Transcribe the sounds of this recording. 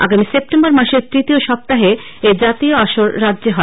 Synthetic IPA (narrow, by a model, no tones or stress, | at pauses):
a̰ɡamisep̚ʈembɔɾmaʃeɾt̪ɾit̪ioʃɔp̚t̪aɦe | ed͡ʑat̪ioaʃoɾːadːd͡ʑeɦɔ